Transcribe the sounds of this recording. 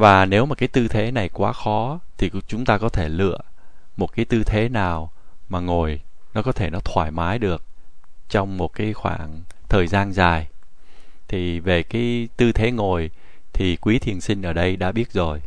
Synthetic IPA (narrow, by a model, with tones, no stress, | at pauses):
vaː˨˩ne˨˦wmaː˨˩kaː˨˦jt̪ɨ˧t̪ʰe˨˦na˨˩jkwaː˨˦xɔ˨˦t̪ʰi˨˩t͡ɕʊ˨˦ŋ͡mt̪aː˧kɔ˨˦t̪ʰe˧˩lɨ̰˧˨ə | mo˨˩t̚kaː˨˦jt̪ɨ˧t̪ʰe˨˦naː˨˩wmaː˨˩ŋo˨˩jnɔ˨˦kɔ˨˦t̪ʰe˧˩nɔ˨˦t̪ʰwaː˧˩jmaː˨˦jɗɨ˨˩ək̚t͡ɕɔ˧wŋ͡mmo˨˩t̚kaː˨˦jxwa̰ː˧˩ŋt̪ʰəː˨˩jzaː˧nzaː˨˩j | t̪ʰi˨˩ve˨˩kaː˨˦jt̪ɨ˧t̪ʰe˨˦ŋo˨˩j | t̪ʰi˨˩kwi˨˦t̪ʰi˨˩ənsï˧ŋ̟ʔəː˧˩ɗə˧jɗa̰ː˧˥ɓi˦˥ət̚zo˨˩j